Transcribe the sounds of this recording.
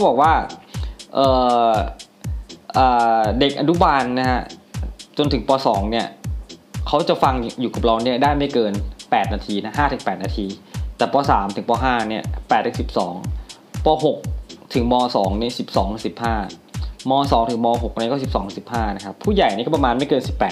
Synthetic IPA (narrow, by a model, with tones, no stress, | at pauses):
kʰa˥bɔː˨˩k̚waː˥˩ | ʔɤː˨˩ | ʔɤː˨˩de˨˩k̚ʔa˧nu˦˥baː˧nːa˦˥kʰa˦˥t͡ɕo˧nt̪ʰɯ˩˦ŋpɔː˧sɔː˩˦ŋni˥˩ɐ | kʰa˦˥wt͡ɕa˨˩fa˧ŋjuː˨˩ka˨˩p̚ɾa˧wni˥˩ɐdaː˥˩jma˥˩jkɤː˧npɛː˨˩t̪̚naː˧t̪ʰiː˧na˦˥ɦaː˥˩t̪ʰɯ˨˩˦ŋpɛː˨˩t̪̚naː˧t̪ʰiː˧t̪ɛː˨˩pɔː˧saː˩˦mt̪ʰɯ˩˦ŋpɔː˧ɦaː˥˩ni˥˩ɐpɛː˨˩t̪̚ːʰsi˨˩p̚sɔː˩˦ŋ | pɔː˧ɦo˨˩k̚t̪ʰɯ˩˦ŋmɔː˧sɔː˩˦ŋni˦˥˩si˨˩p̚sɔː˩˦ŋʰ˩˦si˨˩p̚haː˥˩mɔː˧sɔː˩˦ŋt̪ʰɯ˨˩˦mɔː˧ɦo˨˩k̚ʔnː˧˦˥kɔː˥˩si˨˩p̚sɔː˩˦ŋt̪ʰsi˨˩p̚haː˥˩na˦˥kʰa˦˥pʰːuː˥˩ja˨˩jni˦˥˩kːɔ˥˩pa˧maː˧nma˥˩jkɤː˧nsi˨˩pːɛː˨˩